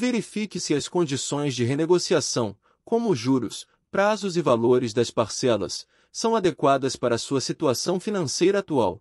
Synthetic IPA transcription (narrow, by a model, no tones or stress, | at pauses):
veɾifikɪsɪɐskõd͡ʒisõj̃zd͡ʒɪɦeneɡosiasɐ̃w̃ | kõmʊʒuɾʊs | pɾazʊzɪvaloɾɪzd̪ɐspaɾsɛlɐ̰sː | ɐ̃w̃ad̪ekwad̪ɐspaɾɐsuɐsit̪uasɐ̃w̃finɐ̃sejɾɐːt̪ua̰w